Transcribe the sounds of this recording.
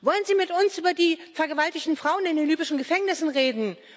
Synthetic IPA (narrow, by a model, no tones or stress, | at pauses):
vɔlənziːmɪtʊnsʔyːbɐdiːfɛɐɡəvaltɪçtn̩fʁ̥aʊənɪndenlyːbɪʃn̩ɡəfɛŋnɪsn̩ʁeːdn̩